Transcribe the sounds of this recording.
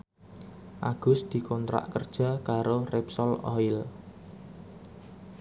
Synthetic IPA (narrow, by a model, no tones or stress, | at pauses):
ʔaɡ̥ʊ̤sd̪̥i̤kʰɔnt̪ɾa̰ʔkərd̥ʒ̥ä̤kaɾorɛpsɔlɔ̰ɪl